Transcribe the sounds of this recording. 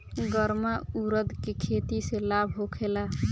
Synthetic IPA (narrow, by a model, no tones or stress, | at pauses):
ɡəɾmauɾəd̪ʱkekʰet̪iselabʱɦokʰela